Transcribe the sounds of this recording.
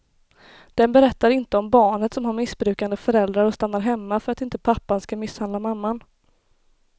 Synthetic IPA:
d̪̥ɛnbɛɾɛt̪ːaɾɪnt̪əɔmbɑːɳət̪sɔmɦaɾmɪsbɾʉ̟ːkand̪əfœɾɛld̪ɾaɾɔst̪anːaɾɦɛmːafœɾat̪ɪnt̪əpʰapːanskamɪsːhand̪lamamːan

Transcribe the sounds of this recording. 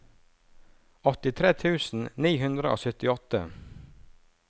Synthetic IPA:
ɔt̪ɪt̪ʰɾeːt̪ʰʉːsn̩niːɦʉnd̪ɾəʔo̰ːsœt̪ɪɔt̪ə

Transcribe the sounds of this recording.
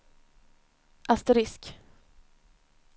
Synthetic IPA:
ʔast̪ɛɾɪsk

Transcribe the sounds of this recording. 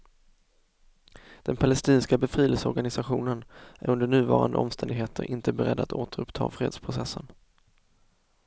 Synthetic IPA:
d̪̥ɛnpʰalɛst̪iːnskabɛfɾiːləlsɔɾɡanɪsaɧuːnənʔæɾɵnd̪əɳʉ̟ːvɑ̰ːɾand̪ə̰ʔɔ̰mst̪ɛnd̪ɪɡɦeːt̪ʰəɾʔɪnt̪əbɛɾɛd̪ːat̪oːt̪əɾɵpt̪ʰɑ̰ːfɾeːd̪spʰɾʊsɛsːən

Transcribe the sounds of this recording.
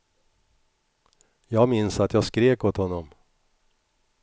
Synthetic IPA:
jɑːɡmɪnsat̪ʰjɑːɡskɾeːkoːt̪hɔnːɔm

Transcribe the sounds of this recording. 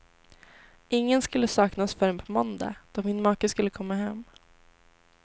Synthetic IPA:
ɪŋːənskɵlːəsɑːknasfœɾɛnpʰɔmɔnd̪a̰d̪̥ɔmɪnmɑːkəskɵlːəkʰɔmːahɛmː

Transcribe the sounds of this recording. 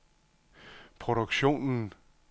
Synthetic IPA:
pʰʁoɾoɡɕo̝̰ːnn̩

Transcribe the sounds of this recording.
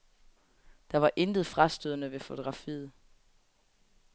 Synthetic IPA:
d̥ɑ̈ʋɑ̈ʔe̝nd̥ð̞̩ˠfʁɑ̈sd̥øðˠɐnəʋe̝fo̝t͡sʰo̝ɡ̥ʁɑ̈fḭːð̩ˠ

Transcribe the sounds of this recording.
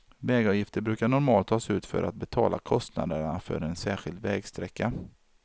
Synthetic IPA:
vɛːɡɔvjɪft̪əɾbɾʉ̟ːkaɳɔɾmɑːlt̪ʰːɑːsʉ̟ːt̪fœ̰ɾʔat̪̚bɛt̪ʰɑ̰ːlʔakʰɔst̪na̰d̪əɳafœ̰ɾɛnsæːɧɪld̪vɛːɡst̪ɾɛkːa

